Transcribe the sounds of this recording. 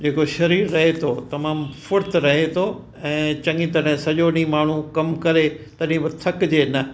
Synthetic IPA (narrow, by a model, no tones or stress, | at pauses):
d͡ʑeːkoʃɐɾiːɾːɐɦet̪ʰot̪ɐmaːmfʊɾt̪ɾɐɦet̪ʰo | ɛ̃ːt͡ɕɐ̃ŋɡit̪ɐɽɪ̃sɐʄoɗĩːmaːɳ̤ukɐmkɐɾet̪ɐɗɪ̃ĩbɐt̪ʰɐkd͡ʑeːnɐ